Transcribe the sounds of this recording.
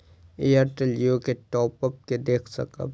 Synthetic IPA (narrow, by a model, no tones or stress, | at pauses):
eːjəɾʈelijõkeʈɔːpəp̚ked̪eːkʰsɐ̰kə̰b